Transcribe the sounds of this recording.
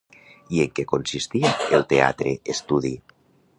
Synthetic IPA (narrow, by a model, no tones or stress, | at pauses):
ieŋkekonsist̪iaelˠt̪ea̰t̪ɾeest̪uði